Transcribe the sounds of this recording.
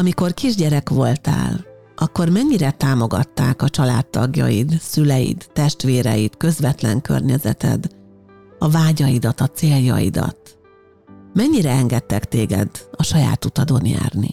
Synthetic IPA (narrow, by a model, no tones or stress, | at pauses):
ɒmiko̞rkiʒɟɛɾɛkʋo̞lt̪a̰ːl | ʔɒkːo̞rmɛɲːiɾɛt̪aːmo̞ɡɒt̪ːaːkɒt͡ʃɒlaːt̪ːɒɡjɒ̰jid̪sylɛjḭd̪ːɛʃt̪ʋeːɾɛjit̪kø̞zʋɛt̪lɛŋkø̰rɲɛzɛ̰t̪ɛ̰d̪ | ɒvaːɟɒjid̪ɒt̪ɒt̪seːljɒ̰jḭd̪ɒ̰t̪ | mɛɲːiɾɛɛŋɡɛt̪ːɛkt̪eːɡɛ̰d̪ɒʃɒja̰ːt̪ut̪ɒd̪o̞nja̰ːrnḭ